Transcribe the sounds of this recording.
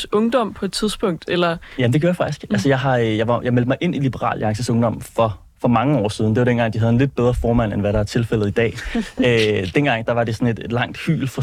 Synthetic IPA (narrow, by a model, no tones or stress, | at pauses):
ɔ̽ŋd̥ɒ̽m̰pʰɒ̽e̝d̥t͡sʰið̞ˠsb̥ɔ̽ŋ̰d̥elɐjæmnd̥eɡ̥ʰjoɐjɑfɑ̈ɡ̥d̥isɡ̥ælsəjɑ̈ɪɦɑ̈jɑɑ̈jɑ̈ɪmeld̥əmɑɪʔe̝nilib̥əʁɑ̰̈ːlɑ̈ŋsəsɔ̽ŋd̥ɒ̽m̰fɒ̽ | fɒ̽mɑ̈ŋəɒ̰ːsið̞ˠnd̥e̝ʋɑ̈ɾ̥enɡ̥ɑ̈ŋ̰d̥iɦæðˠenle̝d̥̚b̥eð̞ˠʁɐfɒːmæn̰enʋæɾɑ̈æɐt͡sʰe̝lfel̰ð̩ˠid̥ɛ̰ːød̥enɡ̥ɑ̈ŋ̰d̥ɑ̈ʋɑ̈ɾe̝sɒ̽ne̝d̥e̝d̥lɑ̈ŋ̰d̥hy̰ːlfɒ